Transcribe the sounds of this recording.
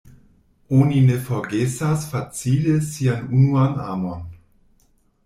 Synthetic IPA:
oːninefɔɡesasfat͡siːləsianunuaŋa̰ːmɔn

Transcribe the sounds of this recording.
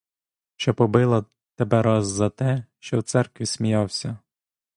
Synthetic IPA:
ʃt͡ʃɔpɔbɪlˠɐ | t̪ebɛɾɑzːɐt̪ɛʃt͡ʃɔwt̪sɛrkʋʲisʲmʲijɑwsʲɐ

